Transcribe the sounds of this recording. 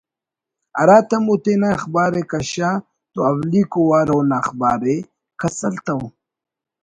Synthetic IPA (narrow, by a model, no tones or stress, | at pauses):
aɾaːt̪amut̪enaxbaːɾekaɕa | t̪oawlikowaːɾownaxbaːɾe | kasɐlt̪aw